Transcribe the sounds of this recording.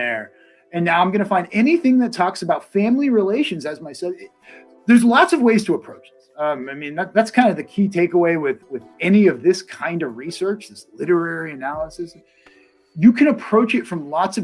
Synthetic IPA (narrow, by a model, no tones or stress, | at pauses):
ɛ | ɨ̃nːaʊãɪ̃mɡʌnɨfãɪ̃ndɛniθɪ̃ŋðɨtʰɔksɨbaʊtfæ̃mliɹileɪʃɨ̃n̩zɨzmaɪsɛɪ | ðə˞zlɑtsʌvweɪz̥tʰəəpʰɹ̥oʊt͡ʃ | ʌ̃maɪmĩnðæt̚ðætskʰãɪ̃ndʌðɨkʰitʰeɪkəweɪwɪðwɪðɛniʌvðɪskʰãɪ̃ndʌvɹisɜ˞t͡ʃðɪslɪɾə˞ɛɹiɨnælˠəsɨs | jɨkʰɨ̃ñəpʰɹ̥oʊt͡ʃɨtfɹʌ̃mlɔtsʌ